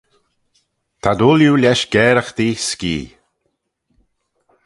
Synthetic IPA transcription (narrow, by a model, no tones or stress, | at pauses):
t̪ʰad̪uljulʲɛʃɡɛːɾəxd̪iːskḭː